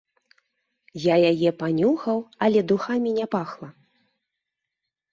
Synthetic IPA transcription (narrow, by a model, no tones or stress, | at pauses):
jajajɛpanʲuxɐwɐlʲɛd̪uxamʲinʲɛpaxlˠɐ